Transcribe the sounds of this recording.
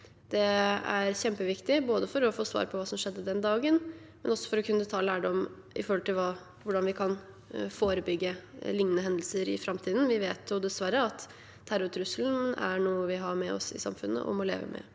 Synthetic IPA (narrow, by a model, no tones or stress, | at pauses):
d̪̥ɛæɾçɛmpəʋɪkt̪ɪboːd̪əfɔɾɔfoːsʋɑ̰ːɾpʰɔʋɑːsɔmʂɛd̪ːəd̪ɛnd̪ɑːɡən | mɛnɔsːɔ̥fɔɾɔkʰʉnːət̪ʰɑːlæːɖɔm | ʔɪ̰fɔɾhɔlt̪ʰɪlʋɑː | ʋʊɖɑnʋɪkʰɑn | foːɾəbʏɡːəlɪŋnənəɦɛnd̪l̩səɾɪ̰fɾɑmt̪ʰiːd̪n̩ʋɪʋeːt̪ʰjʊd̪ɛsʋæɾəɑt̪ | tʰːæɾʊt̪ʰɾʉsəln̩æɾɳuːəʋɪɦɑɾmɛɔ̰sɪ̰sɑ̰mfʉnːə̰ʔɔ̰mɔlḛːʋə̰mʔɛ̰